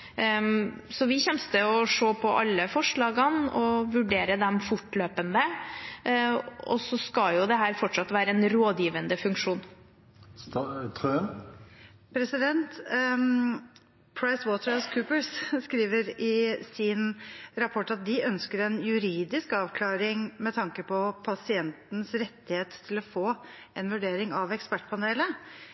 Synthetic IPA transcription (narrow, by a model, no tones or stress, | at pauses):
sɔʋɪçɛmst̪əɔʂoːpʰɔʔɑ̰lːəfɔʂɭɑːɡɑnɔʋʉɖeːɾəd̪ɛmfʊʈːløːpənd̪ə | ɔ̰sɔskɑljʊd̪ɛɦæːɾfɔʈʂɑt̪ːʋæːɾəɛnɾoːd̪jiːʋənd̪əfʉŋkʂuːn | t̪ʰø | pʰɾɛsɪd̪ɛnt̪ | pʰɹaɪswoːt̪əɾɑskʰʉːpəɹsskɾiːʋəɾɪsɪnɾɑpʰɔʈːɑt̪̚d̪ɪœnskəɾɛnjʉɾiːd̪ɪskɑːʋkʰlɑːɾɪŋmɛt̪ʰɑŋkəpʰɔpʰɑsɪɛnt̪nəsɾɛt̪ːɪheːt̪ʰːɪlɔfoː | ʔɛnʋʉɖeːɾɪŋɑʋɛkspæʈːpʰɑneːlə